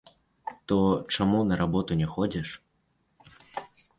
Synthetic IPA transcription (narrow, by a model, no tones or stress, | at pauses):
t̪ɔt͡ʂamunɐɾabɔt̪unʲɛxɔd͡zʲɛʂ